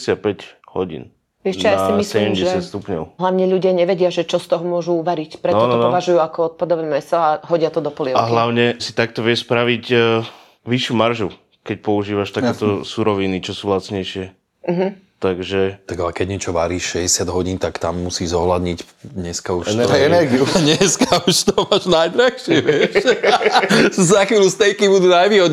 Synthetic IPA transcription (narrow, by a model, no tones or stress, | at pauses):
sɪat̪̚pɛɟhɔɟḭːn | ɛʃɛjasimissɛɟɛmɟɛsjat̪st̪upɲɔʊɦlaʊɲɛʎuɟɪaɲɛʋɛɟɪaʒɛt͡ʃɔst̪ɔɦɔmʊɔʒuːʋaɾicpɾɛt̪ːɔntɔnɔɔʋaʒujuakɔɔt̪̚pad̪ɔʋɛmɛsɔaɦɔɟɪat̪ɔd̪ɔpɔliɛaɦlaʊɲɛsit̪ak̚t̪ɔʋɪɛʃspɾaʋiɟ | ʋiʃjumaɾʒu | kɛc̚pɔuʒiːʋaʃt̪akkɛːt̪ɔsuɾɔʋinit͡ʃɔsuːlat͡sɲɛjʃɪɛ | ɦ̩t̪aɡʒɛt̪aɡalɛkɛɟɲɛt͡ʃɔʋaɾiːʃʃɛɟɛsɪad̪ɦɔɟiːnt̪akt̪amːusiːʒzɔɦlad̪ɲic | ɲɛskauʃɛt̪ɔɛnɛɾɡiuɲɛskauʃt̪ɔmaʒnajd̪ɾaxʃɪɛʋɪɛʃ | znaxʋiːljust̪ɛjkibud̪uːnajʋiːɦɔd̪ɲ